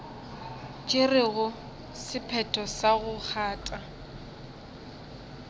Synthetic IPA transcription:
t͡ʃʼɪrɪɣʊ | sɪpʰɛtʰɔsaɣʊk͡xʰaːtʼa

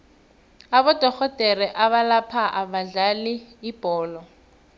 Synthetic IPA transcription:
aβɔd̥ʱɔxɔd̥ʱɛrɛʔaβalapʰaʔaβaɮaliːb̥ʱɔːlɔ

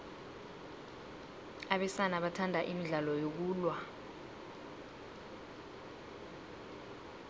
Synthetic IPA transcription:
aɓɛsanaɓatʰandʱaʔimiɮalɔjok̬uːlwa

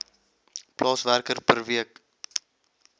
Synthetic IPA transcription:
plʔɑːsværkərpərviək

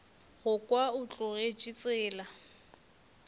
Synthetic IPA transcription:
ɣʊkʼwaʊt͡ɬʼʊɣed͡ʒit͡sʼɪːla

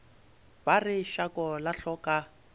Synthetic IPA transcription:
barɪʃakʼɔlaɬɔkʼa

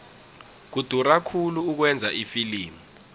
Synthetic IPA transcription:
k̬ud̥ʱurakʰuluːk̬wɛnd͡zʱaʔifiliːmu

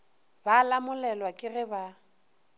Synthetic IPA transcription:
baːlamʊlɛlwakʼɪrɪba

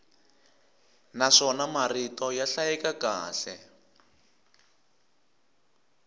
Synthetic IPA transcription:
naʂɔnamaritɔjaɬajɛkakaːɬɛ

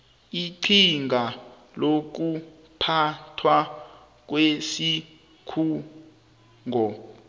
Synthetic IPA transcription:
iǀʰiŋʱa | lok̬u | pʰatʰwa | k̬wesi | kʰuː | ŋʱɔ

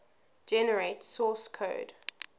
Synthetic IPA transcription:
d͡ʒɛnəɹeɪtsɔːˑskʰo̰ʊd

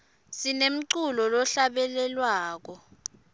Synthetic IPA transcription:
sinem̩ǀulɔlɔɬaɓɛlɛlwaːk̬ɔ

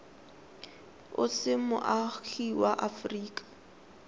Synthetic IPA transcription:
ʊ̰sɪmʊ̰ʔaxiwaʔafriːkʼḁ

